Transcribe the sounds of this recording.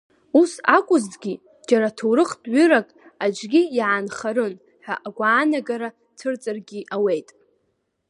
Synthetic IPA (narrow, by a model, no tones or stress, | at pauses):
usakʷʼʊzɡʲi | d͡ʒaɾatʰowɾɨχtʼʕʷʏɾakʼ | ad͡ʒɡʲijaanχaɾɨn | ħʷᶣaʔaɡʷaːnaɡaɾa | tʰɨrt͡sʼarɡʲiʔawe̞jtʼ